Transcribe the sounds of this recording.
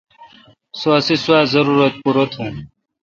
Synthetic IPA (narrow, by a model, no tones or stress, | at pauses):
sosisuaːzɐɾuːɾɐt̪̚puɾət̪ɦũː